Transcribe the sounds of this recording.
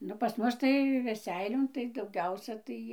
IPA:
ˈnʊ pɐs ˈmʊs tɐɪ ʋʲɛˈsʲɛɪlʲoːn tɐɪ dɐʊˈɡʲɛʊsʲɛ ˈtɐɪ

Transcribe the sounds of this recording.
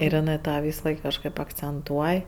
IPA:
ɪr ɪˈnɜ ˈtɑː ˈʋʲiːsɐˌlˠɐɪk kɐʃˈkɜp ɐkt͡sʲɛnˈtuɔj

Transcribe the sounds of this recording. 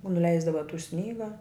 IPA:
nʊˈlʲɛɪzdɐʋɐ tuː ˈsʲnʲiːɡɐ

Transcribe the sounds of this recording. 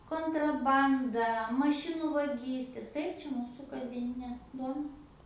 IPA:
koːntrɐˈbɐndɐ mɐˈʃʲɪnʊ ʋɐˈɡʲiːsʲtʲeːs ˈtɐɪp ˈt͡ʃʲɛ ˈmuːsʊ kɐzʲdʲiɛˈnʲɪnʲeː ˈduɔnɐ

